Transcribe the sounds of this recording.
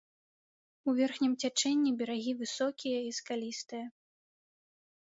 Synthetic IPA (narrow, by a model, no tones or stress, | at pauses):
uvʲɛrxnʲimt͡sʲat͡ʂɛnʲːibʲɛɾaɣʲivɨsɔkʲijɐiskalʲist̪ɨjɐ